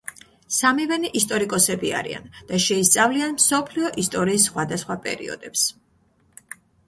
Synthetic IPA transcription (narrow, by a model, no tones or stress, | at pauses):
samivɛniʔist̪ʼɔɾikʼɔsɛbia̰ɾḭa̰nd̪̥aʃɛist̪sʼavlianmsɔpʰliɔʔist̪ʼɔɾiːsːχwad̪asχwapʼɛ̰ɾḭɔ̰d̪̥ɛps